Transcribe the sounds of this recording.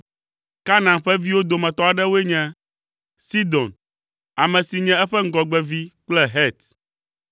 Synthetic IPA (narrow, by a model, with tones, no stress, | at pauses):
ka˦nã˨ɸɛ˦vi˦wo˦d̪o˨mɛ̃˨t̪ɔ˦a˨ɖɛ˦wo˦e˦ɲɛ̃˦ | si˦d̪ɔ̃˨n | a˨mɛ̃˨si˨ɲɛ̃˦ɛ˦ɸɛ˦ŋ̩˦ɡɔ˨ɡ͡bɛ˦vi˦k͡plɛ˦ɦɛ˦t̪